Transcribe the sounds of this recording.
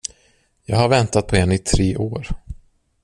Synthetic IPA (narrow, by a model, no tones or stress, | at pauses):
jɑːɡhaɾvɛnt̪at̪̚pʰɔɛnɪt̪ʰɾeːʔoːɾ